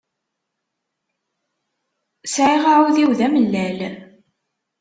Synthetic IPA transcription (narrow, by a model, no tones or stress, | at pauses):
sʕiʁaʕuðiwðæməlːæl